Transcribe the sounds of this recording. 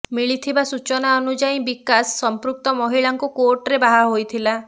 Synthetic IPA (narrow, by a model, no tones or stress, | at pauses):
miɭit̪ʰibasut͡ʃɔnaɔnud͡ʒaj̃bikasːɔmpɾuk̚t̪ɔmɔɦiɭaŋkukoɾʈɾebaɦaɦojt̪ʰila